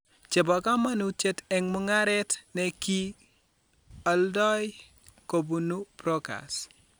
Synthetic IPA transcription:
t͡ʃe˨bɔ˨ka˦ma˦nu˦tje˦tɛ˦ŋmʊ˦ŋa˦ɾɛ˦tnɛ˨ki˦ | a˨ldɔ˦j | ko˨bu˨nu˦bɾo˦ka̰˨s

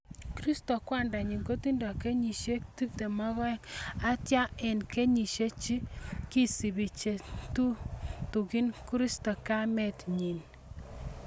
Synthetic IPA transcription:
kɾi˦sto˨kwa˦˨nda˨ɲi˨ŋɡo˦ti˦ndɔ˨ke˦ɲi˨ʃe˦kti˦p̚te˨mɔ˦ɣɔ˦ŋa˦tja˦ɛ˨nke˦ɲi˨ʃe˦t͡ʃi˦ki˦si˨bi˨t͡ʃe˨tu˦tu˨ki˦nku˦ɾi˦sto˨ka˦mɛ˦˨tɲi˨n

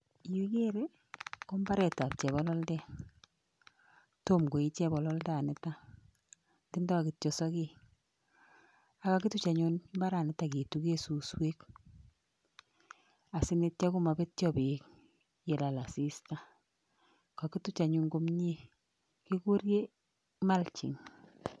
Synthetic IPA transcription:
ji˦ke˦ɾe˦ | ko˦mba˦ɾɛ˨ta˨p̚t͡ʃɛ˨βɔ˦lɔ˦ldɛ˦ | to˦mɡo˨i˦t͡ʃɛ˦bɔ˨lɔ˦lda˦˨nɪ˦ta˦ | ti˦nda˦a˨ki˨tt͡ʃo˨sɔ˦ke˦ | a˨˦ka˦ki˦tu˦t͡ʃa˨ɲu˦nmba˦ɾa˨nɪ˨ta˨ki˨tu˦ke˦su˨swe˦k | a˨sɪ˦ne˦t̚t͡ʃa˦ku˦ma˨be˦tt͡ʃɔ˦bi˨k | je˨la˨la˨si˦sta˦ | ka˨ki˦tu˦t͡ʃa˨ɲu˧ŋɡo˦mɲi˦ | ki˦ku˦ɾje˦ | ma˦lt͡ʃḭ˨ŋ

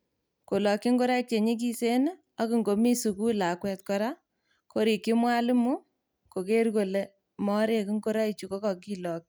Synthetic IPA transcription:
ko˨lɔ˨kːi˦ŋɡo˦ɾa˦k̚t͡ʃe˨ɲi˦k̬i˦se˦na˦ | a˦ki˨ŋɡo˨mi˦su˨ku˦la˨kwɛ˨t̚kɔ˦ɾa˦ | ko˦ɾi˨kːi˦mwa˦lɪ˦mu˦ | ko˨ke˦ɾko˨le˨ | mɔ˦ɾe˦ki˦ŋɡo˦ɾa˦it͡ʃu˨ko˦kɔ˨ki˦lɔ˨k̚

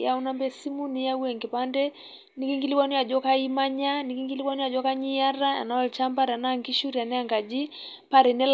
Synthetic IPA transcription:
ja˦u˦nambɛsi˦mu˦nija˦uɛ˨ŋɡɛ˨pandɛ | ni˦ki˦ŋɡi˦li˦kwa˦ni˦a˨d͡ʒɔ˦kai˦ma˦ɲa˦niki˦ŋɡi˦li˦kwa˦ni˦a˨d͡ʒɔ˦ka˦ɲi˦ja˦ɾaa̰˨naɔlit͡ʃa˦mba˦ɾa˨naŋɡi˦ʃuɾia˨nɛ˦aŋɡa˨d͡ʒi˦ | paɾɛ˨nɛ˦l

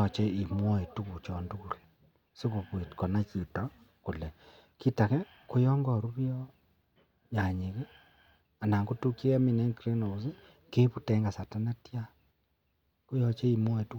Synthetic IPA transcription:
ɔ˨t͡ʃɛ˦i˨mwɔ˦e˨tu˦ku˨t͡ʃɔ˨ndu˦ku˨ɾ | se˦ko˨pwe˨tkɔ˨na˦t͡ʃi˨tɔ˦ | ko˨lɛ˨ | ki˦ta˨kɛ˦ | ko˦jɔ˦ŋɡɔ˨ɾu˦βjɔ˦ | ja˨ɲe˨ke˦ | a˨na˨ŋɡo˦tu˦kji˦kɛ˦mi˨nɛ˦ŋkɾe˦no˨o˨se˦ | ke˦pu˦tɛ˦ŋɡa˨sa˨ta˦na˦tja˦ | ko˦jɔ˨t͡ʃe˦i˨mwɔ˦e˨tu˦

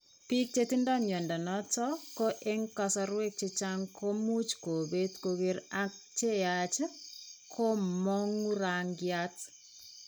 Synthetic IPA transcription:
pi˦k̚t͡ʃe˦ti˦ndɔ˦mjɛ˨ndɔ˨nɔ˦tɔ˦ko˦ʔe˦ŋka˦sɔ˦ɾwe˦k̚t͡ʃe˦t͡ʃa˦ŋkʰo˦mu˦t͡ʃko˨be˦tko˨ɡe˦ɾak̚t͡ʃe˦jat͡ʃkʰo˦mɔ˦ŋu˦ɾaŋɡjat

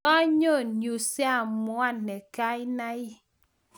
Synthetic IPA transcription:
ɔ˦ɲo˦˨nju˨sja˦˨mwa˦nːɛ˨ka˦ɪ˦na˦ɪ˦

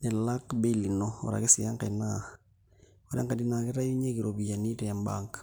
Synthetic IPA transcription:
ne˨la˦kbeli˨noo̰˨ɾa̰˨ɣe˦si˨a˦ŋka˨ina | oɾa̰˦ŋka˨di˦na˨ɣe˦ɾa˦ju˦ɲe˦ki˨ɾoβia˨ni˦tɛ˨ja˨mba̰ŋkḁ

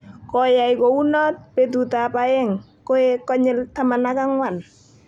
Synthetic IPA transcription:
kɔ˨ja˨jko˨u˦nɔ˦t̚pe˨t̬u˨ta˨pa˨ɛ˦ŋ | kɔ˦ɛ˦kɔ˦ɲɪ˦ltama˨na˦ka˦ŋwa˨n

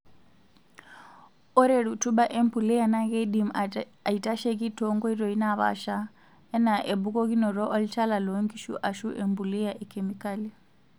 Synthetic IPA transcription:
ɔ˦ɾe˨ɺutu˦ɓa˦ʔe˦mpu˨lɛ˦ja˨na˦ɣe˦dim | a˨i˨ta˦ʃe˦ɣi˦tɔŋɡɔ˦i˦ɾɔ˨i˦naβa̰˨ʃa | ɛ˦na˨ʔe˨bu˦kɔ˦ɣi˦nɔ˨ɾɔ˦ʔɔ˦li˦t͡ʃa˦la˨lɔŋɡi˦ʃṵ˦ʔa˨ʃu˦ʔe˨mbu˨li˦jaʔe˨kemikali

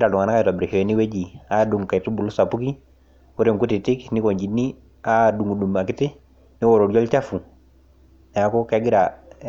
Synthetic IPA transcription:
ɾa˨du˨ŋa˨naka˦jtɔa˨bɾi˨kɔ˨˦ni˦we˦d͡ʒi˨a˦du˨ŋka˨i˨tu˦bu˨lu˦sa˨pu˦ki˦ | ɔ˦ɾe˨ŋku˦ti˨ti˦kni˦kɔ˨ɲd͡ʒi˨nːi˦ | a˦du˨ŋu˨du˨ma˨kɪ˦tɪ˦ | nɪ˦wɔ˨ɾɔ˨ɾd͡ʒɔ˦lt͡ʃa˦fu˨ | nɛ˨a˦kɔ˦kaɡɪ˦ɾa˨

